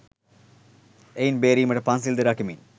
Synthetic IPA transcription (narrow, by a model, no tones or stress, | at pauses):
ejnbeːɾiːmɐʈɐpaːnsild̪ɐɾakimḭn